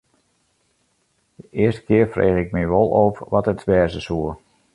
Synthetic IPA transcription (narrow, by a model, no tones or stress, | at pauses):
dəʔɪəstə̥kɪərfrʔḛːɣɪk̚miʋolˠoːfʋɔtətsʋɛːrzəsuə